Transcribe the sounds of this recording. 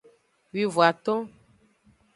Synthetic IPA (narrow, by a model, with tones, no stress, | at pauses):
wi˨vo˨a˨t̪ɔ̃˦